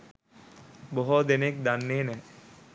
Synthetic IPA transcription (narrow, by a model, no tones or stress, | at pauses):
boɦod̪enekd̪anːeːnɛ